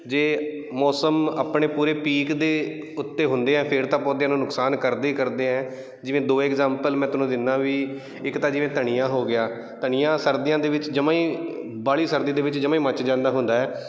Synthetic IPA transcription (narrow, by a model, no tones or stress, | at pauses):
d͡ʒeː | mɔːsəmaːpɳeːpuːɾeːpiːkd̪eː | ʊt̪ːeːɦʊ̃nd̪eːɛ̃ːpʰɪɾt̪ãːpɔːd̪ejãːnũːnʊksaːnkəɾd̪eːkəɾd̪eːɛ̃ː | d͡ʒɪʋẽːd̪oːɛːkzɛːmpəlmɛ̃ːt̪ʊnõːd̪ɪnːaːʋiː | ɪkt̪ãːd͡ʒɪʋẽːt̪əɳ̃ijãːɦoːɡɪjaː | t̪əɳ̃ɪjãːsəɾd̪ijãːd̪eːʋɪt͡ʃd͡ʒəmãːĩː | baːɭiːsəɾd̪ĩːd̪eːʋɪt͡ʃd͡ʒəmãːiːmət͡ʃd͡ʒãːnd̪aːɦʊ̃nd̪aːɛː